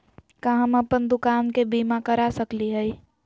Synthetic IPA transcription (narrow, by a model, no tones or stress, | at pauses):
kãɦəmɐpənd̪ʊkaːnkebiːmakɐɾasəkliɦɛi